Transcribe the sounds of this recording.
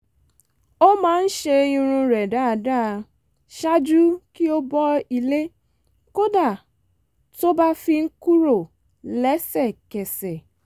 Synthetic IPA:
o˦mãː˦n̩˦ʃe˧ĩ˧ɾ̃ũ˧ɾɛ˨da˦˨˧da˦˨˧ | ʃa˦d͡ʒu˦ki˦o˦bɔ˦i˨le˦ | ko˦da˦˨ | to˦ba˦fi˧ŋ̩˦ku˦ɾo˦˨ | lɛ˨˦sɛ˦˨kɛ˨sɛ˨

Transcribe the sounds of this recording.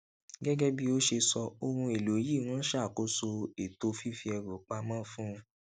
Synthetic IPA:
ɡɛ˦ɡɛ˦bi˦o˦ʃe˧sɔ˧o˧ɾũ˧e˨lo˨˦ji˦˨w̃ã˦ʃa˦˨ko˦so˧e˨to˧fi˦fi˧˦ɛ˧ɡɔ˨k͡pa˧mãː˦˨fũ˦ũ˧

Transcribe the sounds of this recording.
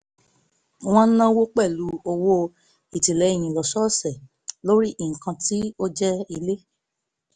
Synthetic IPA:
w̃ɔ̃˧n̩˦nã˦˧wo˦k͡pɛ˦˨lu˨˦o˧wo˧ | i˨ti˨lɛ˨˦i˨j̃ĩ˨lɔ˨sɔ˦sɛ˨ | lo˦ɾi˦ʔi˨ŋ̩˨kã˧ti˦o˦d͡ʒɛ˦i˧le˦

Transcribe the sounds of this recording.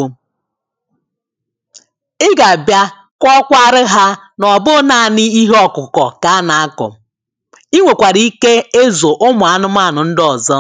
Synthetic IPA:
ɪ˦ɡa˨a˨bja˦ | kɔ˦kʷa˦˨ɾɪ˦ɦa˦ | nɔ˨bʊ˦na˦˨nɪ˦i˦ɦɔ˦kʊ˨kɔ˨ka˨a˦na˨a˦kɔ̰˨ | i˦ŋʷe˨kʷa˨ɾi˦i˦ke˦e˦zo˨ʔʊ˦mʊ˨a˨˦nʊ˦m˦a˦˨nʊ˨n̩˦dɔ˦˨zɔ˦

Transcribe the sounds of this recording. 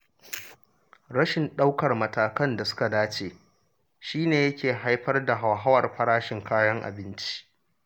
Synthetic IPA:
ɾɐ˦ʃɪ˨nɗa˦wkɐ˨rmɐ˨taː˨kɐ˦nda˨sʊ̥˦ka˨daː˦t͡ʃeː˨ | ʃiː˦neː˨jɐ˦kʲeː˨ɦa˦jɸɐ˦rda˨ɦa˨wɦa˦wɐ˨rɸɐ˦ɽaː˦ʃɪ˨ŋkaː˦jɐ˦ŋʔa̰˨bɪ˦nt͡ʃi̥˦ʔ

